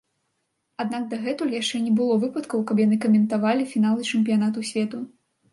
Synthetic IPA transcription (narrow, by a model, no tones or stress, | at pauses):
ad̪nak̚d̪ɐɣɛt̪ulʲjaʂt͡ʂɛnʲɛbɨlˠɔvɨpɐt̪kɐwkɐp̬janɨkɐmʲɛnt̪avalʲifʲinalˠɨt͡ʂɛmʲpʲijanat̪̬usʲvʲɛt̪u